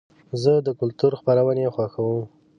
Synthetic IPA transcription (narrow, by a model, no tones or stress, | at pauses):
zəd̪əkʊlt̪uɾxpaɾawənexwaxawəm